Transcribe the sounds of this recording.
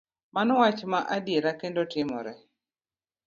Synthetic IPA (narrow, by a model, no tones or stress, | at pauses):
manɔwat͡ʃmaʔadjeɾakendotɪmɔ̰ɾɛ